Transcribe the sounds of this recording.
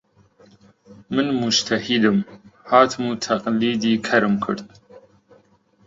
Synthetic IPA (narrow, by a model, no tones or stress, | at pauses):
mɨnmʊd͡ʒt̪ʰahid̪ɨmhaːt̪ʰmut̪ʰaqʼliːd̪iːkʰɐɾɨmkʰɨɾd̪